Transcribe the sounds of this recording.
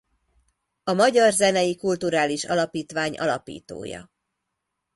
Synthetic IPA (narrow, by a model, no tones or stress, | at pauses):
ɒmɒɟɒrzɛnɛjikult̪uɾaːliʃɒlɒpiːt̪ʋaːɲɒ̰lɒpḭːt̪o̰ːjɒ̰